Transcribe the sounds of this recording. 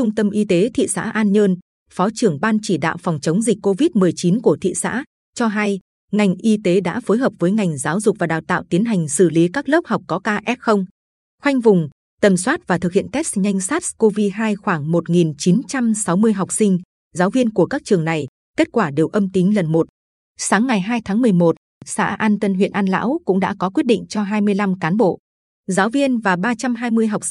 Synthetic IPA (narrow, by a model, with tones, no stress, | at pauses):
t͡ɕʊ˧ŋ͡mt̪ə˧mʔi˧t̪e˨˦t̪ʰḭ˧˨sa̰ː˧˥ʔaː˧nɲəː˧n | fɔ˨˦t͡ɕɨ˨˩əŋɓaː˧nt͡ɕi˧˩ɗa̰ː˧˨wfɔ˨˩wŋ͡mt͡ɕə˨˦wŋ͡mzi˨˩k̟̚ʲkːo˧vi˦˥t̚mɨ˨˩əjt͡ɕi˨˦nku˧˩ət̪ʰḭ˧˨sa̰ː˧˥ | t͡ɕɔ˧ɦa˧j | ŋa˨˩jŋ̟ʔi˧t̪e˨˦ɗa̰ː˧˥fo˨˦jɦəː˨˩p̚vəː˨˦jŋa˨˩jŋ̟zaː˨˦wzʊ˨˩k͡p̚vaː˨˩ɗaː˨˩wt̪a̰ː˧˨wt̪i˨˦ənɦa˨˩jŋ̟sɨ˧˩li˨˦kaː˦˥k̚ləː˦˥p̚ha˨˩wk͡p̚kɔ˨˦kaː˧ʔɛ˦˥t̚xə˧wŋ͡m | xwa˧jŋ̟vʊ˨˩ŋ͡m | t̪ə˨˩mswaː˦˥t̚vaː˨˩t̪ʰɨ˨˩k̚hḭ˧˨ənt̪ɛ˦˥t̚sɲa˧jŋ̟saː˦˥t̚sko˧vi˧ɦaː˧jxwaː˧˩ŋmo˨˩t̚ŋi˨˩nt͡ɕi˨˦nt͡ɕa˧msa˨˦wmɨ˧əjɦa˨˩wk͡p̚sï˧ŋ̟ | zaː˨˦wvi˧ənku˧˩əkaː˦˥k̚t͡ɕɨ˨˩əŋna˨˩j | ke˦˥t̚kwaː˧˩ɗe˨˩wʔə˧mt̪i˨˦ŋ̟lə˨˩nmo˨˩t̚ | saː˨˦ŋːa˨˩jɦaː˧jt̪ʰaː˨˦ŋmɨ˨˩əjmo˨˩t̚ | sa̰ː˧˥ʔaː˧nt̪ə˧nɦwḭ˧˨ənʔaː˧nla̰ː˧˥wkʊ̰˧˥ŋ͡mɗa̰ː˧˥kɔ˨˦kwt̚ɗḭ̈˧˨ŋ̟t͡ɕɔ˧ɦaː˧jmɨ˧əjla˧mkaː˨˦nɓo̰˧˨ | zaː˨˦wvi˧ənvaː˨˩ɓaː˧t͡ɕa˧mɦaː˧jmɨ˧əjɦa˨˩wk͡p̚